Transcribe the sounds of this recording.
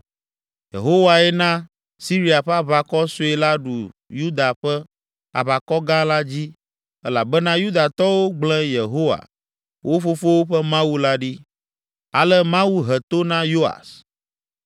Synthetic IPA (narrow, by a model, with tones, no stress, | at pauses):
jḛ˨ɦo˦wa˨ɛ˦nã˦ | si˦ɾi˦a˨ɸɛ˦a˨βa˨kɔ˦su˦ɛ˨la˦ɖu˨ju˦d̪a˨ɸɛ˦ | a̰˨βa˨kɔ˦ɡã˦la˦d͡ʑi˦ | ɛ˦la˨bɛ˦nã˦ju˦d̪a˨t̪ɔ˦wo˦ɡ͡blɛ̃˦je˨ɦo˦wa̰˨ | wʔo˦ɸo˦fo˦wo˦ɸɛ˦mã˦wu˦la˦ɖi˦ | a̰˨lɛ˦mã˦wu˦ɦɛ˨t̪o˦nã˦jo˦a̰˨s